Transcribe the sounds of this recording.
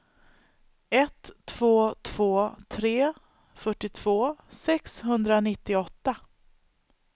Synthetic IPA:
ɛt̪ʰːv̥oːt̪ʰv̥oːt̪ʰɾeː | fœʈːɪt̪ʰv̥oːsɛkshɵnd̪ɾanɪt̪ːɪɔt̪ːa

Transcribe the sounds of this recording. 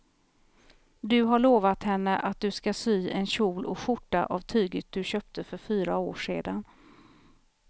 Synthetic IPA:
d̪ɵɦaɭoːvat̪hɛnːəʔat̪̚d̪ɵskasyːɛnɕuːlɔɧʊʈːa̰ʔavt̪ʰyːɡət̪̚d̪ɵɕœːp̚t̪ʰəfœɾfyːɾaoːʂeːd̪an

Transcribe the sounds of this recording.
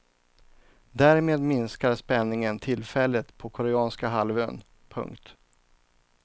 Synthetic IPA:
d̪æːɾmeːd̪mɪnskaɾspɛnːɪŋənt̪ʰɪlfɛlːət̪pʰɔkʰɔɾɛɑːnskaɦalvøːn | pʰɵ̰ŋkt̪

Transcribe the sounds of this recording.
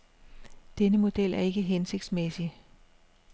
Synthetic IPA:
d̥enəmo̝d̥el̰ʔæɐe̝ɡ̥əɦense̝ɡ̥d̥smesi

